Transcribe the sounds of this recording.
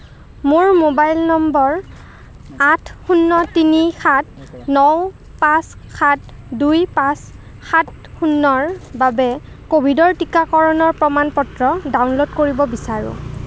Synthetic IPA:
mʊɹmobajlnɔmbɔɹ | atʰxunːɔtinixʰat̚nɔw | pãsxʰat̚ | dujpãs | xat̚ | xunːɔɹbabɛ | kobʱidɔɹtikakɔɹɔnɔɹpɹɔmanpɔtɹɔdawnlodkoɹibɔbisaɹʊ̰

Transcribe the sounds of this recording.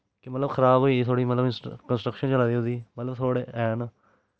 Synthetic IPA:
kɪmət̪ləbxʰəɾaːbɦoːiːt̪ʰoːɽiːmət̪ləbɪskənsʈɾəkʃənt͡ʃəlaːd̪iːɦod̪iːmət̪ləbt̪ʰoːɽeːɛːnaː

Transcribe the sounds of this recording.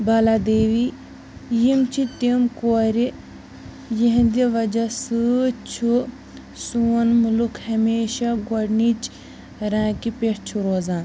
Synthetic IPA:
bɐlaːd̪eːʋi | jimt͡ʃʰit̪imkoːɾi | jiɦnd̪iʋɐd͡ʒasɨt͡ʃʰu | suːnmulukʰhɐmeːʃaɡɐɽnit͡ʃ | ɾãːkipeʈt͡ʃʰuɾoːzaːn

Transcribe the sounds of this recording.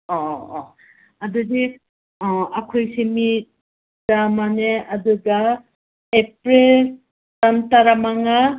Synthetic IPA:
ɔ | ɐdudi | akʰojsemit | d̥amaneɐduɡa | epɾel | tantaɾamaŋa

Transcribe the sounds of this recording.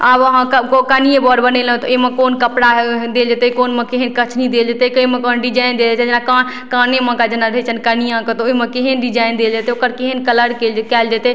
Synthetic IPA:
abəɦãkkokənijẽbɔɖbənel̃t̪ɔeɦmẽkoːnkəpɽad̪eld͡ʒat̪ekonmẽkeɦənkət͡ʃʰnid̪eld͡ʒat̪ɛkemẽkonɖid͡ʒaind̪eld͡ʒat̪ɛd͡ʒnakan | kanemə̃kad͡ʒenaɾəɦɛt͡ʃʰənkanijãkət̪ɔomẽkeɦənɖid͡ʒaind̪eld͡ʒat̪eokəɾkeɦənkələɽkelkɛld͡ʒat̪e

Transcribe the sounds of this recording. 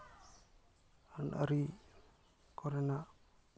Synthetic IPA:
anʔa̰ɾi | kɔɾɛna

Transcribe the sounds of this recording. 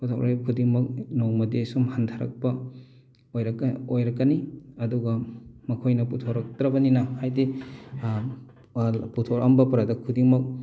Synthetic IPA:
putʰa̰wɾʔajkʰudiŋmɐk̚nowmɐdesumhantʰaɾɐ̰k̚pɐ | ojɾɐkojɾɐkːɐniɐduɡɐmɐkʰojnɐputʰoɾɐk̚tɾɐbɐninɐhajdi | putʰoɾɐmbɐpɐɾadɐkʰudiŋmɐk̚

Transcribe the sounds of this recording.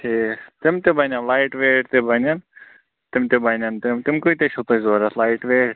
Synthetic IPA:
t̪ʰeːt̪ɪmt̪eːbanaːlaːɪʈʋeːʈt̪eːbaːnaːn | t̪ɪmt̪eːbʱaːnaːnt̪ɪmt̪ɪmkoit̪eːʃʰut̪ozoːɾalaːɪʈʋeːɽ

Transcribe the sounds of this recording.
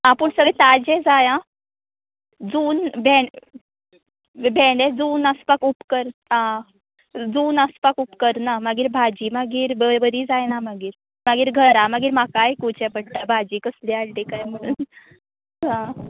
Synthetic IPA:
apəɳsəɡəjt̪ad͡ʑed͡zajã | d͡zuːnbʱe | bʱeɖed͡zuːnəspakupkəɾã | d͡zuːnaspakupkəɾnamaɡiːɾbʱad͡ʑiːmaɡiːɾbəbəd̪iːd͡zajnamaɡiːɾ | maɡiːɾɡʱəɾamaɡiːɾmakajkut͡ɕɛ̃bəɽʈ̪abʱad͡ʑiːkəslialʈ̪ẽkajm̤əɽ̃uːn | ɦã

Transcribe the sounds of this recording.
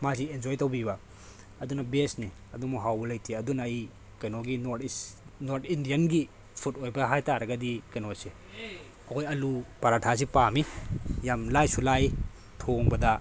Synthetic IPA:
masiend͡ʒojtɐwbibɐ | ɐdunɐbesni | ɐdumuɦawbɐlɐjtʰiɐdunɐj | kɐnoɡinotnoɾtʰindijɐnɡi | pʰutojbɐɦajtaɾɐɡɐdikɐnose | ɐkʰojɐlupaɾatʰas̬ipamijamlajsulaj | tʰoŋbɐdɐ

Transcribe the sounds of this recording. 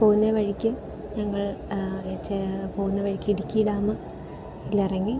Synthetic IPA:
po̞ːɣunːɐʋɐɻikʲːɨ | ɲɐŋːɐɭ | t͡ɕːepoːɣunːɐʋɐɻikʲːiɽikʲːijiɽaːmɐ | ilːɐirɐŋːi

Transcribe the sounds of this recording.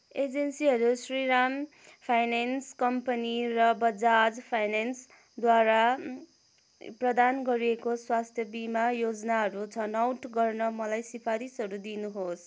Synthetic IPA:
ed͡zensiɦʌɾusriɾam | pʰajnenskʌmpʌnirʌbʌd͡zad͡zpʰajnens | d̪waɾa | prʌd̪anɡʌɾiekoswast̪ʰjʌbimajod͡zʌnaɦʌɾut͡sʰʌnawʈɡʌrnʌmʌlajsipʰaɾisɦʌɾud̪inuɦos

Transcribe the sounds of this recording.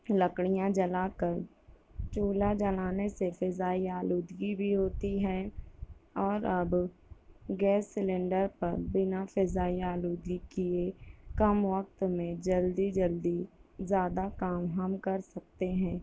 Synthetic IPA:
ləkɽijãd͡ʒɐlaːkəɾ | t͡ʃuːlad͡ʒɐlaːnesefɪzaːiaːluːd̪ɡibʱiɦoːt̪iɦɛː | ɔːɾɐb | ɡɛːsːɪlẽɳɖəɾpɐɾbɪnafɪzaːiaːluːd̪ɡikiekɐmwək̚t̪mẽd͡ʒɐld̪id͡ʒəld̪izjaːd̪akaːmɦəmkɐɾsɐk̚t̪eɦɛ̃ː

